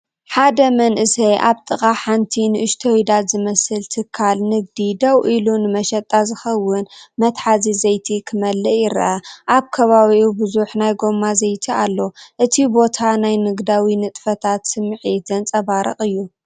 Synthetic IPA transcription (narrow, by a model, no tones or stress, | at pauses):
ħad̪ɐmɐnʔɨsɐjʔaβt̪ʼɨkʼaħant̪ʰinɨʔɨʃt̪ʰɐwid̪at̪zɨmɐsɨlt̪ʰɨkʰːalnɨɡ̚d̪id̪ɐwʔilunɨmɐʃɐt̪ʼːazɨxɐwːʊnmɐt̪ħazizɐjt̪ʰikʰɨmɐlːɐjɪɾʔɐʔaβkʰɐβaβiʔubɨzuħnajɡo̞mːazɐjt̪ʰialːo̞ʔɨt̪ʰibo̞t̪ʰanajnɨɡd̪awinɨt̪ʼfɐt̪ʰat̪sɨmːʕizɐnt͡sʼɐβaɾɨχʼɨjːu